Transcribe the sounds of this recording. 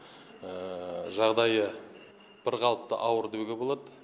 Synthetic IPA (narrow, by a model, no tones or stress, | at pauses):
əʒɑʁd̪ɑjə | b̥ɪɾqɑlˠəp̚t̪ə̰ʔɑwəɾd̪eɡʲebo̞lˠɑd̪ə